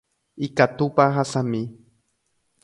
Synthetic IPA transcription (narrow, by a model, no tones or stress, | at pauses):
ikat̪upaɦasami